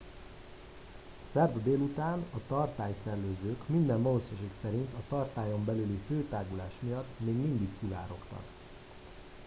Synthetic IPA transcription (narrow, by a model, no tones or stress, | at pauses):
sɛrvd̪eːlut̪aːnɒt̪ɒrt̪aːjsɛrløːzøːkmind̪ɛnvɒlosoʃeːksɛɾint̪ɒt̪ɒrt̪aːjo̞mbɛlyliføːt̪aːɡulaːʃmijɒt̪ːmeːɡmind̪iksiva̰ːɾo̞kt̪ɒ̰k